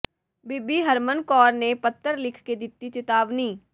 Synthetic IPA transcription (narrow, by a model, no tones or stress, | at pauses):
bɪbiɦəɾmənkɔːɾnepət̪ːəɾlɪkʰked̪ɪt̪ːit͡ʃɪt̪aːʋniː